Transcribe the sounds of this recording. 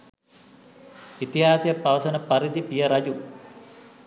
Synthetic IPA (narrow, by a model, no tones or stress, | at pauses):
it̪iɦaːsjɐpːɐʋɐsɐnɐpɐɾid̪ipijɐɾɐd͡ʑu